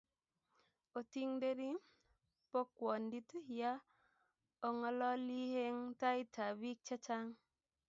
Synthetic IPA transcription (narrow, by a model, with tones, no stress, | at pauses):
o˨ti˦ŋde˦ɾi˦ | po˦kwɔ˨ndi˦tu˦˨ja˦ | o˨ŋɔ˦lɔ˦li˦he˦ŋta˦i˦tʰa˨bi˦k̚t͡ʃa˦t͡ʃa˦ŋ